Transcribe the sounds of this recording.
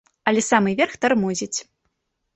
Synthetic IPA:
ɐlʲɛsamɨvʲɛrxt̪armuzʲit͡sʲ

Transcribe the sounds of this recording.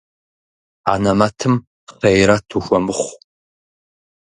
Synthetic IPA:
a̰ːnɐmatʰɨm | χejɾatʰuxʷɔmɨχʷ

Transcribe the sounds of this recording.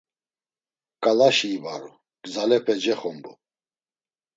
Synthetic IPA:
kʼalaʃiːba̰ɾṵ | ɡ̥zalɛpʰɛd͡ʒɛχɔmbu

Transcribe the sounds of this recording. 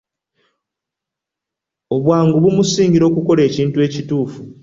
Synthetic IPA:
o̞βwaːŋɡuβumusiːŋɟiɾo̞ːkuko̞le̞ːciːntue̞ːcituːfu

